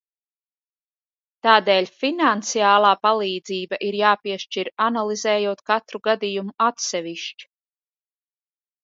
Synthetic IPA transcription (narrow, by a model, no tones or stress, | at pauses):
t̪aːd̪ɛːlʲfinant̪siaːlˠaːpalˠiːd̪ziːbaʔiɾjaːpiɛʃt͡ʃiɾanalˠizɛːjuɔt̪kat̪ɾuɡad̪ijumuat̪sɛviʃt͡ʃi̥